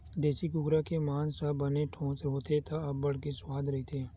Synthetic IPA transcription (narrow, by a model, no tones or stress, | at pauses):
d̪eːsikʊɡɾakemaːnsabɐneʈʰõːt͡ʃɾəɦot̪ʰet̪aɐbːɐɽ̤keswaːd̪ʱɾɐɦit̪ʰeː